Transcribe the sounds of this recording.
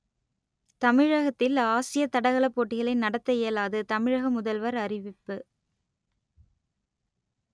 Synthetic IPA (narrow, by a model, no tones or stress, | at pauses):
t̪ɐmɪɻɐɣɐt̪ːɪlaːsɪjɐt̪ːɐɽɐɣɐɭɐpːoːʈːɪɣɐɭɪnɐɽɐt̪ːɐeːlaːðɯt̪ɐmɪɻɐɣɐmʊðɐlʋɐɾɐrɪʋɪpːɯ